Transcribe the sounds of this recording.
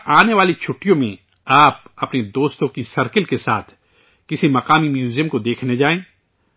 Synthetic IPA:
aːneʋaːlit͡ʃʰʊʈːijõmẽ | aːp̚ɐpned̪oːst̪õkisɐɾkəlkesa̰ːt̪ʰ | kɪsimɐqaːmimjuːzijə̃mkod̪eːkʰned͡ʒaːẽː

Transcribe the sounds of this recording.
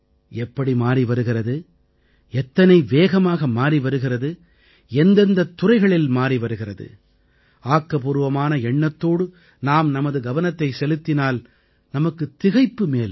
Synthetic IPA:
ɛpːɐɽimaːɾiʋɐɾɯɣɪrɐðɯ | ɛt̪ːɐnɐɪʋeːɣɐmaːɣɐmaːɾiʋɐɾɯɣɪrɐðɯ | ɛnd̪ɐnd̪ɐt̪ːʊrɐɪɣɐɭɪlmaːɾiʋɐɾɯɣɪrɐðɯ̰ | aːkːɐpuːɾɯʋɐmaːnɐɛɳːɐt̪ːoːɽɯ | naːmnɐmɐðɯɡɐʋɐnɐt̪ːɐɪsɛlɯt̪ːɪnaːl | nɐmɐkːɯt̪ːɪɣɐɪpːɯmeːl

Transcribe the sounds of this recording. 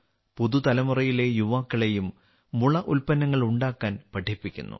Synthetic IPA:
poðut̪ɐlɐmurɐjile̞juʋaːkːɐɭe̞jumː | uɭɐʔulpɐnːɐŋːɐɭuɳɖaːkːaːnpɐʈʰːipːikʲːṵnːṵ

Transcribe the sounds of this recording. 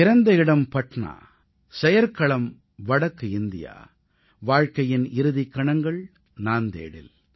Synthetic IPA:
ɪɾɐnd̪ɐɪɽɐmpɐʈɳa̰ː | sɛjɐɾkɐɭɐm | ʋɐɽɐkːɯɪnd̪ɪ̰ja̰ː | ʋaːɻkɐjɪnɪɾɯðɪkːɐɳɐŋɡɐɭ | naːnd̪ḛːɽɪ̰l

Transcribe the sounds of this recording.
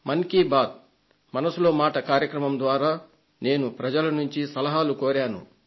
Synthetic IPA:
mɐŋkiːbaːt̪̚ | mɐnɐsulo̞ːmaːʈɐkaːɾjɐkɾɐmɐmd̪ʋaːɾaː | ne̞ːnupɾɐd͡ʒɐlɐnuɲt͡ʃisɐlɐɦaːlukoːɾaːnṵ

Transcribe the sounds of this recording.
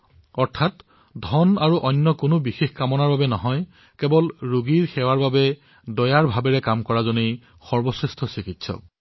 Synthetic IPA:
ɔɹtʰat | dʱɔnaɹuʔɔnːɔkʊnʊbixexkamɔnaɹbabɛnɔɦɔj | kebɔlɹuɡiɹxɛwaɹbabɛ | dɔjaɹbʱabɛɹɛkamkɔɹazone | xɔɹbɔsɹɛstʰɔsikitsɔ̰k̚

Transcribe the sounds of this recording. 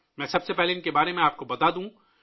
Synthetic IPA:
mɛ̃ːsɐbsepɛɦleɪnkebaːɾemẽaːp̚kobɐt̪ad̪ũː

